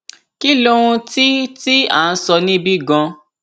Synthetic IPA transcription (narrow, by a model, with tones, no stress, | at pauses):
ki˦lõ˦ũ˧ti˦ti˦a̰˦˨n̩˦sɔ˧nĩ˦bi˦ɡã˧